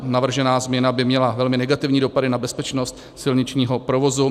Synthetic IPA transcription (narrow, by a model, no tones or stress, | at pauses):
navr̩ʒɛnaːzmɲɛnabɪmɲɛlavɛlmɪnɛɡat̪ɪvɲiːdopadɪnabɛspɛt͡ʃno̞st̪ | sɪlɲɪt͡ʃɲiːɦo̞pɾovo̞zu